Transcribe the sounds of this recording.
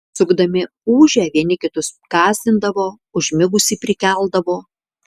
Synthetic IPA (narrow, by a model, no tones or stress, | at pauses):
sʊɡd̪ɐmʲɪ | uːʒʲɛːʋʲiɛnʲɪkʲɪt̪ʊskɑːzʲt̪ʲɪnd̪ɐʋoː | ʊʒʲmʲɪɡʊsʲiːpʲɾʲɪkʲɛlˠd̪ɐʋoː